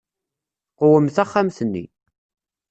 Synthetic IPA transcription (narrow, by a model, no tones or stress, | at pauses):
qʊwəmθæχːamθənːḭ